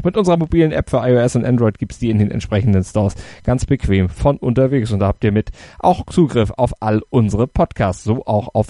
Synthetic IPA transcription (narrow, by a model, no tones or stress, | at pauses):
xmɪtʔʊnzəʁɐmobiːlənʔɛ̰pfyːɐʔaɪoɛsʊntʔɛ̰ndʁɔʏt̚ɡ̥iːptsd̥iːɪndeːnɛ̰ntʃpʁ̥ɛçn̩dənstɔːɐsɡ̥ant͡sb̥əkʰv̥eːmfɔnʔʊntɐveːksʊntd̥aːhaːp̚tiːɐmɪtʔa̰ʊxt͡suːɡʁɪfa̰ʊfʔalʔʊnzəʁəpʰɔtkʰaːst͡sz̥oːʔaʊxaʊf